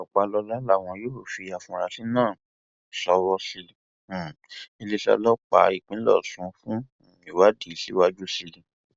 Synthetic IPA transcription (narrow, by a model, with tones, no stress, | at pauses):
ɔ˨k͡pa˧lɔ˧la˦la˦˨w̃ɔ̃˧jo˦o˨fi˧a˨fũ˧ɾa˧˦si˦nãː˦˨ | sɔ˧˦wɔ˧˦si˧˦ĩ˧˨ | i˧le˦sa̰˧lɔ˦k͡pa̰˧˨i˨k͡pĩ˨˦lɔ̰˦˨sũ˨˦fũ˦˨ | i˨wa˦di˦˨si˨˦wa˦d͡ʒu˦si˧lĩ˧